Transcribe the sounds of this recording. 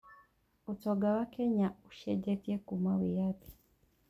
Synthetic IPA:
utoɡawakeɲauʃeɟetjekumawijati̥

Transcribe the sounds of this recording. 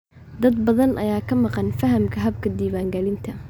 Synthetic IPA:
d̪ɐd̪̚bɐðɐnʔɐjaːkʰɐmɑqɑnfɐɦɐmkʰɐɦɐb̚kʰɐd̪iːwaːŋɡɐlɪnt̪ʰɐ

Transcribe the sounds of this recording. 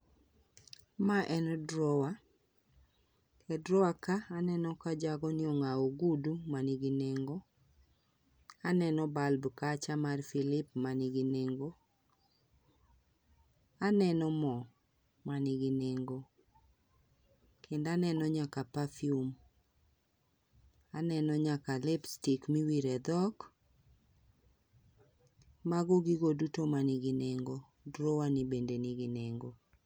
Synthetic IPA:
maʔɛnɔdɾɔwa | kɛdɾɔakaːnɛnɔkad͡ʒaɡɔnɪɔŋaoɡudumaniɡineŋɡo | anɛnɔbalbkat͡ʃamarfilɪpmaniɡineŋɡo | anɛnɔmɔ | manɪɡineŋɡo | kʰendanɛnɔɲakapafium | anɛnɔɲakalɛpstikmiwiɾɛd̪ɔk | maɡɔɡiɡodutomaniɡineŋɡo | dɾowanibendeniɡineŋɡo

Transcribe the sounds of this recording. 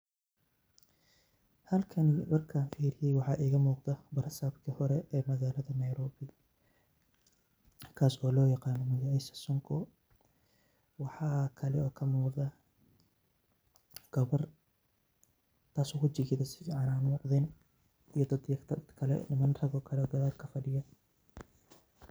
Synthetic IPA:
hɐlkʰɐnmɐrkʰaːnfiːɾɪjɛjwɑħɑːʔiːɣɐmuːqðɐbɐɾsaːbkʰihɔɾɛɛːmɐɣaːlɐðɐnɐjɾɔːbɪ | kʰaːsɔːlɔːjɑqɑːnɔmɪɣɛsɐ̥sɔŋkʰɔ | wɑħɑːkʰɐlɛɔːkʰɐmuːqðɐ | ɡ̥ɐβɐr | t̪ʰaːsɔːkʰʊt͡ʃɪɡɪðɐsɪʕɑnaːmuːqðɛn | ijɐd̪ɐd̪jɐt̪ʰɐd̪kʰɐlɛ̰ɪmɐnrɐɣɔːkʰɐlɛɡɐðaːrkʰɐfɐɖɪjɐ

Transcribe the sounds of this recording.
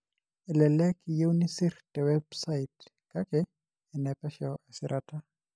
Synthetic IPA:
ɛlɛlɛkijeunisiɾtɛwɛbsaitkakɛ | ɛnɛpɛʃɔɛsiɾʔata

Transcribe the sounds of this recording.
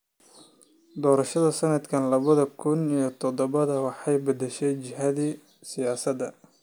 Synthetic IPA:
d̪ɔːɾɐʃɐðɐsɐnɐd̪kʰɐnlɐβɐðɐkʰʊnijɞt̪ʰɔd̪ɔβɐðɐwɑħɑjbɐd̪ɛʃɛjt͡ʃɪɦɐðiː | sɪjaːsɐd̪ɐ

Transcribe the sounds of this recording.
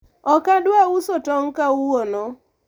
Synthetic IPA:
ɔkadwausotɔŋkawonɔ

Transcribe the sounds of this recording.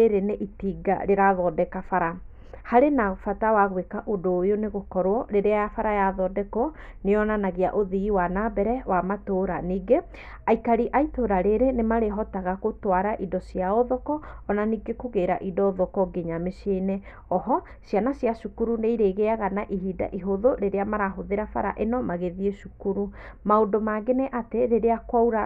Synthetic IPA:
eɾeneʔitiːɡa̰ɾeɾaðɔːdɛkafaɾa | haɾenafatawaɣwekaʔodoːjoneɣokɔɾwɔɾeɾeajafaɾajaðɔdɛkɔ | neɔnanaɣea̰ʔoðiiwanabɛɾɛwamatoɾaniɡe | aikaɾiʔaitoɾaɾeɾenemaɾeɦɔtaɣakotwaɾaʔidɔsiaɔðɔkɔːnaniɡekoɣeːɾa̰ʔidɔoðɔkɔɡeɲameʃene | ɔɦɔ | ʃjanasjaʃukuɾuneiɾeɣeaɣanaʔiɦiːda̰ʔiɦoðoɾeɾeamaɾaɦoðeɾafaɾa̰ʔenɔmaɣeðieʃukuɾu | maondomaɡeneʔateɾeɾeakwauɾa

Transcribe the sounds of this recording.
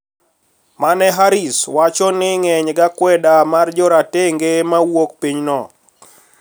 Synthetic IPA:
manɛɦaɾiswat͡ʃɔnɪŋɛɲɡakwɛdamard͡ʒɔɾateŋɡemawokpiɲnɔ

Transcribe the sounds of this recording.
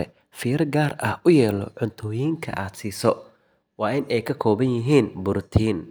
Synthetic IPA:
ɛ | fɪːɪrɡaːrɐhʔʊjɛːlɔ̰ʕʊnt̪ʰɔːjiːŋkʰɐ̰ʔaːd̪siːsɔ | wɑːʔɪnɛjkʰɐkʰɔːβɐnjɪɦiːnbʊɾt̪ʰiːn

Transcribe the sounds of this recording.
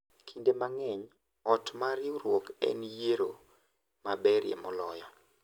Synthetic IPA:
kʰindemaŋɛɲ | ɔtmaɾɪuɾwokɛ̰njeɾo | mabɛɾjḛmɔlɔjɔ

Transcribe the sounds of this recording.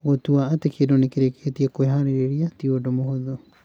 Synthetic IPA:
wotuaːtekedonekiɾeketiekoeɦaɾeɾeɾiatiodomohoðo

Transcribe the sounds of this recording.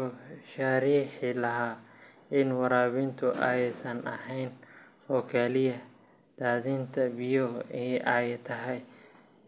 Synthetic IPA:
ɔʃaɾiːħɪlɐɦaː | ɪnwɑɾaːβɪnt̪ʰʊʔɐ̰jɛsɐnɐ̰hɛjn | hɔkʰaːlɪjɐ | d̪̥aːðɪnt̪ʰɐbɪjɔɛʔaːjɛt̪ʰɐɦɛj

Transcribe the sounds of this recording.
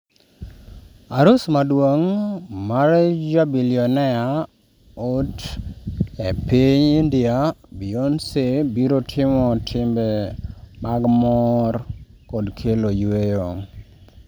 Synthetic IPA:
aɾusmadwoŋmaɾd͡ʒabiliɔnɛa | ot | epiɲindɪabionsebiɾotʰɪmɔtʰɪmbemaɡmɔr | kɔdkʰelojwejoŋ

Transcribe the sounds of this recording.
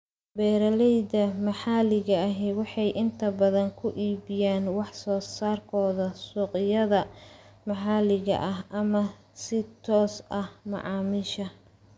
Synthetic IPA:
bɛːɾɐlɛjd̪ɐmɐħɑːlɪɣɐːɦɛwɑħɑjʔɪnt̪ʰɐbɐðɐŋkʰʊʔiːbɪjaːnwɑħsɔːsaːrkʰɔːðɐsuːqɪjɐðɐmɐħɑːlɪɣɐ̰ʔɐɦɐmɐ | sɪt̪ʰɔːsʔɐhmɑ̰ʕɑːmɪʃɐ

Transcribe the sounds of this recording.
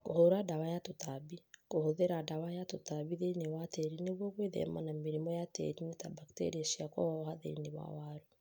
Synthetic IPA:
kohoɾadawajatotaβikohoðeɾadawajatotaβiðenewatɛɾineβwɔɣweðɛ̰manameɾimɔjatɛ̰ɾinetabaktḛɾieʃiakɔ̰ɔɦaðḛinewa̰waɾu

